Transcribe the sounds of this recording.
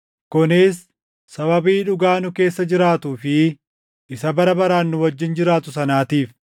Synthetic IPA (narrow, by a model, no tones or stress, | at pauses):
kʊnɪsː | ɐβɐbiːᶑʊɡaːnʊke̞ːsːɐd͡ʒɪɾaːt̪uːfɪ | ʔɪsɐbɐɾɐbɐɾaːnːʊwɐd͡ʒːɪnd͡ʒɪɾaːt̪ʊsɐnaːt̪iːf